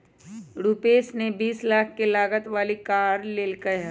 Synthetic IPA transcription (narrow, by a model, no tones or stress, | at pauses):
ɾuːpeːsnebiːslaːk̚ʰkelaːɡət̪ʋaːlikaːɾleːlkəɦ